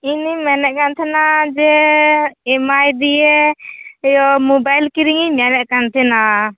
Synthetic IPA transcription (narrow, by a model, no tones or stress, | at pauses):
inimɛnɛʔ̚kant̪ʰɛnad͡ʒɛ | ɛmajd̪ije | jɔmobajlkiɾiŋimɛnɛʔkant̪ʰɛna